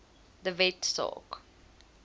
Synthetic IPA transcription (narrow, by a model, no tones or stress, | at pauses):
d̪əvɛtsɔ̰k